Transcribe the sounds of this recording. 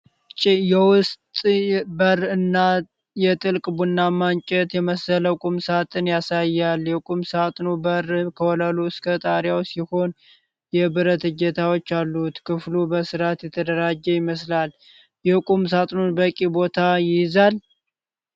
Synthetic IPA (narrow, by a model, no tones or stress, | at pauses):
t͡ʃʼɪjɛwʊst̪ʼbərɨnːa | jɛt̪ʼɨlkʼbunːamant͡ʃʼɛt̪jɛməsələkʼumsat̪ʼɨnjasajːaljɛkʼumsat̪ʼnubərkʰəwɔləluskʰət̪ʼaɾjawsiho̞n | jɛbɨɾət̪ɨd͡ʒɛt̪ʰawo̞t͡ʃːalːut̪kʰɨflubəsɨɾat̪jɛt̪ʰəd̪əɾad͡ʒːɛjɪməslal | jɛkʼums̬at̪ʼnunbəkʼibo̞t̪ʰajɪjzal